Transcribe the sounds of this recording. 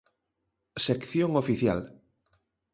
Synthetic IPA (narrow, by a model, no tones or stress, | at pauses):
sekθjoŋofiθja̰l